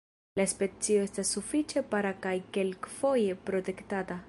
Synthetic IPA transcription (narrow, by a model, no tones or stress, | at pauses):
laspe̞t͡sio̞e̞stasːufit͡ʃe̞paɾakajke̞lkfo̞je̞pɾo̞te̞ktata